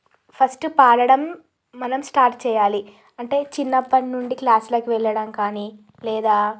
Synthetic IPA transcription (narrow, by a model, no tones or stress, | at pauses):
pʰɐsʈpaːɽɐɽɐmː | ɐnɐmsʈaːɾʈ̚t͡ʃɛːjaːli | ɐɳʈe̞ːt͡ʃinːɐpːɐnnuɳɖiklaːslɐːkiʋɛɭːɐɽɐmkaːni | lɛːd̪aː